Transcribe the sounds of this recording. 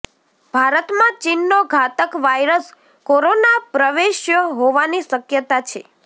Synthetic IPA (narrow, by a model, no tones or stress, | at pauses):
bʱaɾət̪mãt͡ʃinːoɡʱat̪əkʋajɾəs | koɾonapɾəʋeʃjəɦoʋaniʃəkjət̪at͡ʃʰe